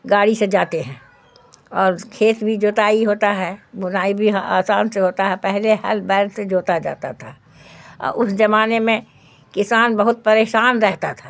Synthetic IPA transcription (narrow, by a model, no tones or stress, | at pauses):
ɡaːɽised͡ʒaːt̪eɦɛ̃ | ɔːɾkʰeːt̪bʱid͡ʒoːt̪aːiɦoːt̪aɦɛbʊnaːibʱiɦaːsaːnseɦoːt̪aɦɛpɛɦlehɐ̰lbɛːlsed͡ʒoːt̪ad͡ʒa̰ːt̪a̰t̪ʰa | ɔ̰ːʊsd͡ʒɐmaːnemẽ | kɪsaːnbɐɦʊt̪̚pɐɾeːʃaːnɾɛɦt̪at̪ʰḁː